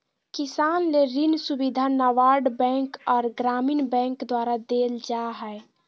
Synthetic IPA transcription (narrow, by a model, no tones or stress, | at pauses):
kisanleɾinsubid̪ʱanaʋaɾɖbɛ̃ŋkɔːɾɡɾaminbɛ̃kd̪waɾad̪eld͡ʒaɦɛe